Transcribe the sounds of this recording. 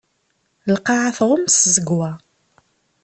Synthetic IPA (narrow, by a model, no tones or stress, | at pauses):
lqɑʕaθʁʊmszəɡwæ